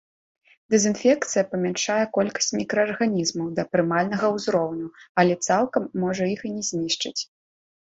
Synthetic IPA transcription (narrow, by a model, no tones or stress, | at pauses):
d̪ɛzɨnfʲɛk̚t̪sɨjɐpɐmʲɛnʂajɛkɔlʲkɐ̥sʲt͡sʲmʲikɾɐːrɣanʲizmɐwd̪ɐpɾɨmalʲn̪ɐɣɐwzɾɔwnʲuɐlʲɛt̪salˠkɐmːɔʐɐjixɨnʲɛzʲnʲiʂt͡ʂɐt͡sʲ